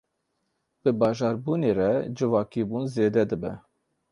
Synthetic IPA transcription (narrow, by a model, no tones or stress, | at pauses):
b̥ɨbɑːʒɑːɾbuːneːɾɛd͡ʒɨvɑːkibuːnzeːd̪ɛd̪ɨbɛ